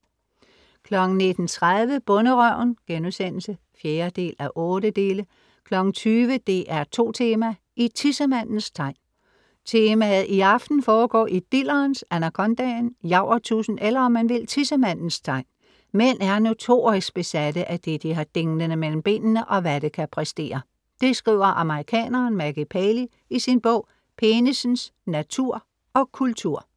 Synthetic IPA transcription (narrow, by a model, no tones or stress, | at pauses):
kʰlɒ̽ɡ̥ŋ̩ne̝d̥n̩t͡sʰʁað̞ˠʋəb̥ɔ̽nəʁœʊ̰nɡ̥enusen̰l̩sə | fjeːɐd̥e̝̰ːlæʔɔ̽ːɾəd̥e̝ːlə | kʰlɒ̽ɡ̥ŋ̩t͡sʰyːʋəd̥e̝ʔæɐt͡sʰo̝̰ːt͡sʰe̝ːmæ | ʔit͡sʰisəmæn̰n̩st͡sʰɑ̈ɪ̰n | t͡sʰe̝ːmæð̩ˠiɑ̈fd̥n̩fɒːɡ̥ɒ̰ːʔid̥ilɐːnsænækʰɒ̽nd̥ɛnjɑ̈ʊ̰ɐt͡sʰṵːsn̩elɐɒ̽mːænʋe̝l̰t͡sʰisəmæn̰n̩st͡sʰɑ̈ɪ̰n | menæɐno̝t͡sʰo̝̰ːʁisɡ̥̚b̥e̝sædəʔæd̥e̝d̥iɦɑ̈d̥eŋdənəmel̰m̩b̥e̝̰ːnnəʔɒ̽ʋæd̥əkʰæpʰʁɛsd̥e̝̰ːɐ | d̥e̝sɡ̥ʁḭʊɐʔɑ̈məʁikʰɛ̰ːnɐːnmæɡ̥ipʰɛli | isinb̥ɔ̽ʊ̰ | pʰeːnisn̩snæt͡sʰuɐ̰ | ɒ̽kʰult͡sʰuɐ̰